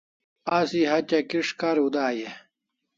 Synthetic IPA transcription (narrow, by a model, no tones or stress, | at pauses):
asiɦɐt͡ɕɐkiʂkaɾud̪aːje